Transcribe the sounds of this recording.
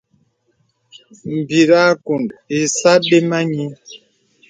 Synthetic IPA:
m̩˨bi˨ɾa˦ku˨ndi˨sa˦be˦ma˦ɲi˦

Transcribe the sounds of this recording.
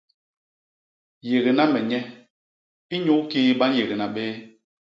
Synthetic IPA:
je˨ɣe˨na˦mɛ˨ɲɛ˦ | i˦ɲu˦ki˦ɓa˦n˦je˨ɣe˨na˨ɓeː˦

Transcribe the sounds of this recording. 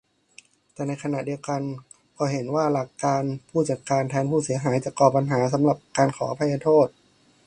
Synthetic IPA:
t̪ɛː˨˩na˧jkʰa˧na˨˩di˧əwka˧n | kʰɔː˧˩ɦe˩˦nwaː˥˩la˨˩kːaː˧npʰuː˥˩t͡ɕa˨˩kaː˧nt̪ʰɛː˧ŋpʰuː˥˩si˩˦ɐɦaː˩˦jt͡ɕa˨˩ʔkɔː˨˩p̚ːa˧nɦaː˩˦s̬a˩˦mla˨˩p̚kaː˧nkʰɔː˩˦ʔa˧pʰa˧jːaː˧t̪ʰoː˥˩t̪̚

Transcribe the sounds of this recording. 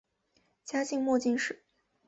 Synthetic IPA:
t͡ɕja˥ɕi˥˧ŋmwɔ˥˧t͡ɕi˥˧nʂɻ̩˥˨˩

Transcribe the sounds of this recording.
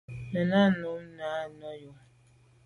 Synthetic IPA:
nə˨na˦nɔ˨˦mna˨˦nɔ˦jo˨˦

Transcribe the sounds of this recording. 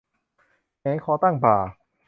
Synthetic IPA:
ɲa˨˦jkʰɔː˧˦t̪a˥˩ŋpaː˨˩

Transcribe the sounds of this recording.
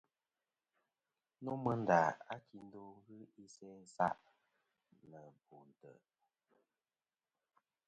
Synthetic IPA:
no˦mə˦n̩˦da˨a˦kʰi˨n˦do˦ŋ˦ɣɨ˦i˦sɛ˦sa̰˦ʔ | nə˨bu˨n̩˨tə̰˨

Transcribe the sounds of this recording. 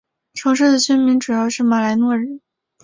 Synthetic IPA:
ʈ͡ʂʰɤ˧˥ŋʂ̬ɻ̩˥˩d̪ə˩ɕy˥nmi˧˥ŋʈ͡ʂu˨˩jɑ˥˧ʊʂɻ̩˥˩ma˨˩la˧˥ɪnwɔ˥˩ɻ̩˥˩n

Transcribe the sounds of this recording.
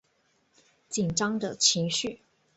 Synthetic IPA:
t͡ɕi˨˩nʈ͡ʂɑ˥ŋd̪ə˨t͡ɕʰi˧˥ŋɕy˥˩

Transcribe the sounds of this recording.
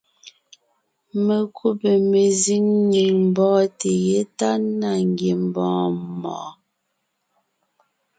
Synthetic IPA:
me˨kʰu˦pe˨me˨zi˦ŋɲe˨ŋm̩˨bɔ̃ː˦te˨je˦ta˦na˨ŋ˨ɡe˨m˨bɔ̰̃ː˨˦mɔ̰˨

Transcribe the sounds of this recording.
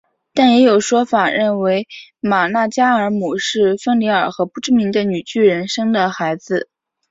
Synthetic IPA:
t̪a˥˩njɛ˧˥jo˨˩ʊʂwɔ˥fa˨˩ɻə˥˩nwe˧˥ɪma˨˩na˥˩t͡ɕja˥ə˞˧˥mu˨˩ʂɻ̩˥˩fə˥ŋli˧˥ə˞˨˩xɤ˧˥pu˥˧ʈ͡ʂɻ̩˥mi˧˥ŋd̪ə˧ny˨˩t͡ɕy˥˩ɻə˧˥nʂɤ˥ŋd̪ə˨xa˧˥ɪd͡zɹ̩˧

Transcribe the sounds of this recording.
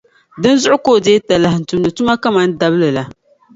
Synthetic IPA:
dɨ˦n˦zʊ˦ʔʊ˦koː˦˨deː˦ta˨la˨hn̩˨tu˨m˨nɨ˨tʊ˦ma˦ka˦ma˦n̩˦da˦blɨ˨la˨

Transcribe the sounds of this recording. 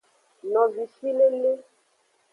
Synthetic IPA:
nɔ̃˨vi˨si˦le˦le˦

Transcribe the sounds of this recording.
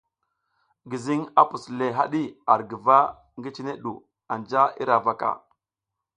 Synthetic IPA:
ɡi˨zi˦ŋa˦pu˨sle˨ɦa̰˦ɗi˦a˨ɾɡə˨va˦ | ŋɡi˦t͡ʃi˦ne˦ɗu˨ | a˨nd͡ʒa˦ḭ˦ɾa˨va˨ka̰˨

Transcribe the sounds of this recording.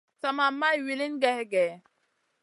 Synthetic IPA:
ta˨ma˨mːa˦i˨wi˨li˦nɡɛ˦hɡɛ˨

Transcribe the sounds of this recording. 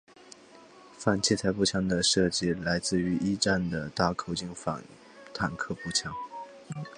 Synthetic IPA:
fa˨˩nt͡ɕʰi˥˩t͡sʰa˧˥ɪpu˥˩t͡ɕʰjɑ˧˥ŋd̪ə˨ʂɤ˥˧t͡ɕi˥la˧˥ɪt͡sɹ̩˥˩y˧˥ʔi˥ʈ͡ʂa˥˩nd̪ə˩t̪a˥˩kʰo˨˩ʊt͡ɕi˥ŋfa̰˨˩n | t̪ʰa˨˩nkʰɤ˥˧pu˥˩t͡ɕʰjɑ˧˥ŋ

